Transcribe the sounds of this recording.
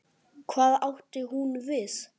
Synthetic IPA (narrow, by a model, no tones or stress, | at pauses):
kʰvaːðawht̪ɪhunvɪs